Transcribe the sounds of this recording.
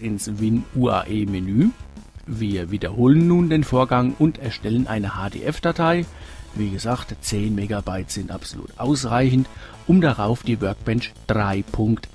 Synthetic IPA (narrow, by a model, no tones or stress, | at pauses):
ɪnsvɪnuːa̰ːʔeːmenyːviːɐviːdɐhoːlənːuːndeːnfoːɐɡaŋʊntɛɐʃtɛlənʔa̰ɪnəhaːdḛːʔɛfd̥atʰaɪviːɡəzaːktt͡seːnmeːɡabaɪtz̥ɪntʔa̰pz̥olṵːtʔaʊsʁaɪçn̩t | ʔʊmdaʁaʊfd̥iːvœɐk̚b̥ɛnt͡ʃd̥ʁaɪpʰʊŋkt